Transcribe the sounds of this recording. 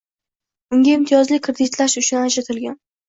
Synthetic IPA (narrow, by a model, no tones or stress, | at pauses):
ʊŋɡʲaɪmt̪ʰijɒzlɪkʰɾed̪ɪt̪laʃʊt͡ʃʰʊnad͡ʒat̪ʰɪlɡʲan